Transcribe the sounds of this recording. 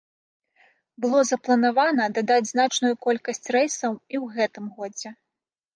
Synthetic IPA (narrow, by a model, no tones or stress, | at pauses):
bɨlˠɔzɐplˠɐnavanɐd̪ad̪ad͡zʲznat͡ʂnujukɔlʲkɐsʲt͡sʲrɛjsɐwiwɣɛt̪ɨmɣɔd͡zʲɛ